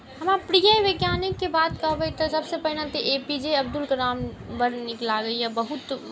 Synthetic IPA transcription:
ɦɐmapɾijaʋeɡjaːnɪkːebaːt̪kəbeit̪osɐbsepɐɦlãt̪iʔeːpid͡ʒeɐbd̪ʊlkɐɾaːmbɐɾnɪklaɡɐiɛbɐɦʊt̪

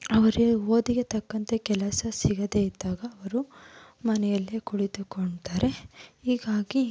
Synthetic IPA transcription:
ɐʋɐɾeoːd̪iɡe̞t̪ɐkːɐnt̪ɐkɛlɐsɐsiɡɐd̪eid̪ːaːɡɐːʋɐɾu | mɐnɛjɐlːikuɭid̪ukoɳɖt̪aːɾe̞hiːɡaːɡi

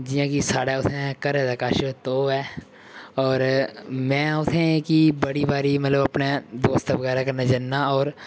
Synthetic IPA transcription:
d͡ʒɪjãkisaːɽaʊt̪ʰẽɛ̃kəɾed̪akaʃt̪oːɛː | ɔːɾmɛ̃ːʊt̪ʰẽeːkibəɽibaːɾiməɐt̪ləbɐpned̪oːst̪bəɣɛːɾakəɾnad͡ʒɐnːaɔːɾ

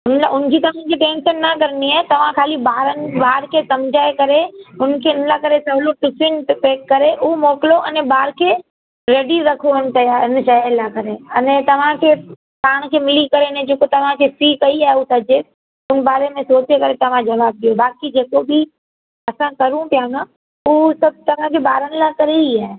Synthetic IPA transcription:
ʊnlaʔʊnd͡ʑiːt̪ɐʋ̤ãd͡ʑiʈẽːnʃənːɐkɐɾniaːt̪ɐʋ̤ãkʰaːlibaːɾənɪ̆baːɾkʰeːsɐmd͡ʒʱaːekɐɾeʊnkʰeːʊnlakɐɾesɐbloʈʊsɪnpeːkːɐɾeʔʊomoːkɪloʔɐnɛ̃baːɾkʰeː | ɾeːɖiɾɐkʰoɦɪnɪ̆t̪ɐjaːɪnɪ̆ʃɐaːlakɐɾeɐnɛt̪ɐʋ̤ãkʰeː | paːɽ̃kʰeːmɪlikɐɾenɛd͡ʑoːkot̪ɐʋ̤ãkʰefiːkɐiaːɦeut̪ɐd͡ʒe | ʊnbaːɾemẽsoːt͡ʃekɐɾet̪ɐʋ̤ãd͡ʒɐʋaːb̚ɗ̪ijobaːkid͡ʑeːkobʱɪ | ɐsãkɐɾũp̪jãːnã | ʊsɐb̚t̪ɐʋ̤ãkʰobaːɾənɪlakɐɾeiaːɦe

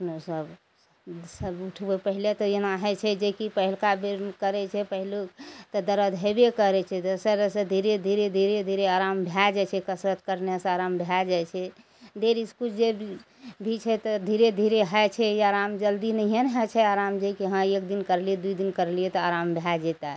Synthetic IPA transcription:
pnosəb | səbuʈʰbepəɦilet̪ɔjenaɦɛt͡ʃʰɛd͡ʒekipəɦilkabekəɾɛt͡ʃʰɛpəɦilt̪ɔd̪əɾəd̪ʱɦebekəɾɛt͡ʃʰɛd̪əsəɾsə̃d̪ʱiɾed̪ʱiɾed̪ʱiɾed̪ʱiɾeaɾambʱjad͡ʒɛt͡ʃʰɛkəsɾət̪̚kəɾnasaɾambʱjad͡ʒajt͡ʃʰɛ | d̪eɾiskuld͡ʒe | bʱit͡ʃʰɛt̪ɔd̪ʱiɾed̪ʱiɾeɦəjt͡ʃʰɛjaɾamd͡ʒəld̪inəijənɦət͡ʃʰɛaɾamd͡ʒekiɦãek̚d̪inkəɾlied̪uid̪inkəɾliɛt̪ɔaɾambʱjad͡ʒet̪a

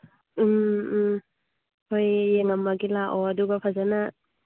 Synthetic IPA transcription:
m̩ | hojːeŋamːaɡilaʔɔaduɡapʰazana

